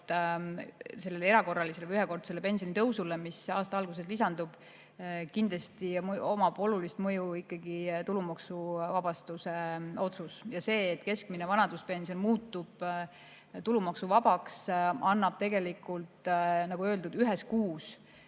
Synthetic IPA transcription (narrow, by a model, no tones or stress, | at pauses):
se̞lːeleɾɑko̞rːɑliseleəjyɦeko̞rd̪se̞lːepe̞nsijonit̪ɤwsule̞misɑːst̪ɑɑlɡ̥us̬e̞slisɑnd̪ub̥ | kind̪lest̪io̞mɑbo̞lulist̪mɤjuikːɑɡ̥it̪ulumɑksuvɑb̥ɑst̪use̞o̞t̪susjɑse̞ːt̪ːˑke̞skminevɑnɑd̪uspe̞nsio̞nmuːt̪ːˑub̥ | t̪ulumɑksuvɑb̥ɑksɑnːɑb̥t̪e̞ɡe̞likːˑult̪nɑɡ̥uø̞ld̪ud̪yɦeskuːs